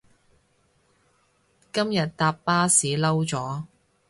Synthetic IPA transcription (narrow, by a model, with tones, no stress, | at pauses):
kɐ˥mjɐ˨t̚t̪aː˧pːaː˥siː˨˥lɐ˥wt͡sɔː˨˥